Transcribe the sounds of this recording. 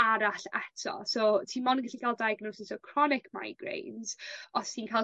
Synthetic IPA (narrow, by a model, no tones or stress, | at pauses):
aɾaɬɛ̰tʰɔ̰soːtʰiːmɔnəŋɡaɬikʰalˠdajɡnowsɪsɔkʰr̥ɔnɪkʰma̰jɡ̥rḛjnz̥ɔssiːnkʰaj